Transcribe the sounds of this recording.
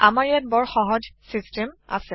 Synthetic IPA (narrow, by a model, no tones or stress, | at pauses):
amaɹjat̚bɔɹxɔɦɔd͡ʒsistɛma̰sɛ